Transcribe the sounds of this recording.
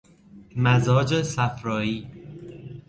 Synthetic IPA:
mæzɒːd͡ʒesæfɾɒːiː

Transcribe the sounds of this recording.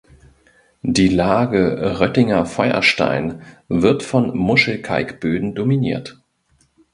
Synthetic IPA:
d̥iːlaːɡəʁœtɪŋɐfɔʏɐ̰ʃta̰ɪnvɪɐtfɔnmʊʃl̩kʰa̰ɪkb̥øːdn̩dominiːɐt

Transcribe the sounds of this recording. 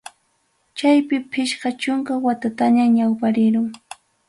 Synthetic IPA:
t͡ʃajpɪpʰɪʃɢɑt͡ʃʊŋkawat̪at̪aɲaɲawpaɾɪɾʊŋ

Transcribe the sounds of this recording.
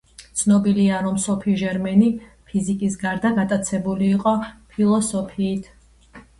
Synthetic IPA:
t̪sʰnɔbiliaɾɔmsɔpʰiʒɛɾmɛni | pʰizikʼis̬ɡaɾd̪aɡat̪ʼat̪sʰɛbuliːqʼɔpʰilˠɔsɔpʰiːt̪ʰ

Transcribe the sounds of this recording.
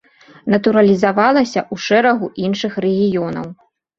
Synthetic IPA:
nɐt̪uɾɐlʲizavalˠɐsʲɐʔuʂɛɾɐɣuʔinʂɨxrɛɣʲijɔnɐ̰w

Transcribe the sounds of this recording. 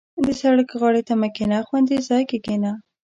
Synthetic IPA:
d̪əsaɽəkɣɑɽet̪amakɪnaxwand̪izɑjkeɡena

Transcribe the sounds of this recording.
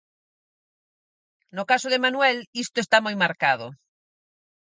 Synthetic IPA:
nʊkasoðemanwɛlist̪oest̪amojmaɾkað̞ʊ̰

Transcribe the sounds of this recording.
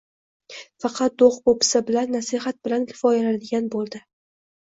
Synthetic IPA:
fɑqʰɑt̪̚d̪oχbopʰɪ̥sɪbɪlanːasiɦat̪̚bɪlankʲʰɪ̥fɒjalad̪ɪɡʲanbolˠd̪ɪ

